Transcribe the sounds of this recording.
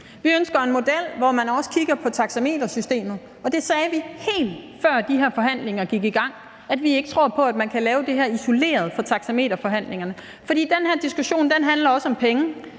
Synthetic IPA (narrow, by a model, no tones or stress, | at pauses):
ʋiønsɡ̥ɐe̝nmo̝d̥el̰ʋɒmænɒ̽sə̥kʰiɡ̥ɐpʰɒ̽t͡sʰɑ̈ɡ̥sæme̝̰ːd̥ɐsysd̥e̝̰ːmð̩ˠ | ɒ̽d̥e̝sɛːʋihe̝̰ːld̥ | fɶɐ̰d̥iɦeɐfɒ̽ɦæn̰le̝ŋɐɡ̥iɡ̥iɡ̥ɑ̈ŋ̰ | æd̥ʋie̝ɡ̥ə̥t͡sʰʁo̝ɐ̰pʰɒ̽æd̥mænkʰælɛːʊd̥e̝ɦeɐiso̝le̝̰ːɐð̞ˠfɒ̽t͡sʰɑ̈ɡ̥sæme̝̰ːd̥ɐfɒ̽ɦæn̰le̝ŋɐnə | fɒ̽d̥ḭːd̥enhæɐ̰d̥isɡ̥uɕo̝̰ːnd̥enɦænlɐɒ̽sɒ̽mpʰeŋə